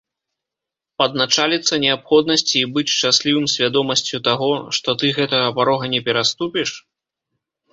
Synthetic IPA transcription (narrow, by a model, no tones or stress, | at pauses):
pɐd̪nat͡ʂalʲit̪sːɐnʲɛapxɔd̪̚nɐsʲt͡sʲiːbɨt͡sʲʂt͡ʂasʲlʲivɨmsʲvʲad̪ɔmɐsʲt͡sʲut̪aɣɔʂt̪ɔt̪ɨɣɛt̪ɐɣɐpaɾɔɣɐnʲɛpʲɛɾast̪upʲiʂ